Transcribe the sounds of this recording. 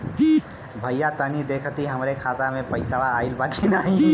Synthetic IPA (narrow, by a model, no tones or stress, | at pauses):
bʱəjjat̪ənid̪ekʰt̪iɦəmɾekʰat̪amẽpəɪsaʋaːɪlbakʰinaːɦĩ